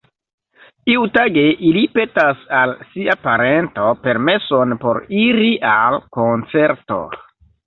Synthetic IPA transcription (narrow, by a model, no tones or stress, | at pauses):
tiutaɡe̞ʔilipe̞tasalsiapaɾe̞nto̞pe̞ɾme̞so̞npo̞̰ɾiɾiʔalkont͡se̞ɾto̞̰